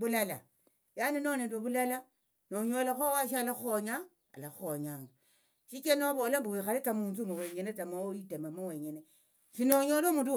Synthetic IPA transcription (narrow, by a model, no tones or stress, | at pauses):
βulala̰ | janenonendweβulala | noɲolaxowaʃalaxuoɲa̰ː | laxuoɲaːŋɡa | ʃit͡ʃenoβolambuwixalet͡samuːnzumowe̞ɲenet͡samowoitemamoweɲene | ʃinoɲolomutu